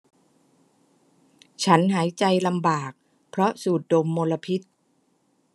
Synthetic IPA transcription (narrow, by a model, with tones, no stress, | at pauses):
t͡ɕʰa˦˥nɦaː˩˦jt͡ɕa˧jla˧mbaː˨˩k̚ | pʰɾɔ˦˥suː˨˩t̪̚do˧mːoː˧la˧pʰi˦˥t̪̚